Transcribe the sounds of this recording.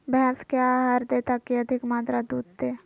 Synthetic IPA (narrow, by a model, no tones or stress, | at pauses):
bɛɦɛ̃skjaɦəɾd̪eːt̪akiɐd̪ʱɪkmaːt̪ɾad̪uːd̪̚t̪eː